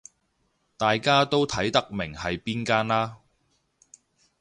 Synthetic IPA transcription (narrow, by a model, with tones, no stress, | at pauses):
t̪aː˨jkaː˥t̪o˥wt̪ʰɐ˨˥jt̪ɐ˥k̚mɪ˨˩ŋhɐ˨jpiː˥nkaː˥nlaː˥